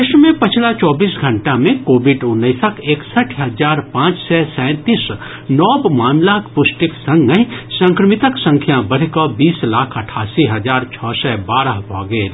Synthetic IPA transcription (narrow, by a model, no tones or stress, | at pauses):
ɪʃmẽpɐt͡ʃʰlat͡ʃɔːbiːsɡʱə̃ɳʈamẽkoːbɪɖʊnːəːsəkʰeːksəʈʰɦɐzaːɾpãːt͡ʃsɛsɛ̃ːt̪iːs | nɔːbmaːmlakpʊsʈɪksə̃ŋɡəɦisə̃ŋkɾəmɪt̪əksə̃ŋkʰjãbəɽ̤kəbiːslaːkʰɐʈʰaːsiɦɐd͡ʒaːɾt͡ʃʰɔːsɛbaːɾəɦbʱɔːɡeː